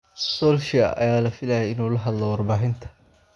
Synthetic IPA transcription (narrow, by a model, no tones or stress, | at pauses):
sɔlʃɪɐ̰ʔɐ̰jaːlɐfɪlɐjɛɪnuːlɐɦɐd̪lɔwɑrbaːɦɪnt̪ʰɐ̥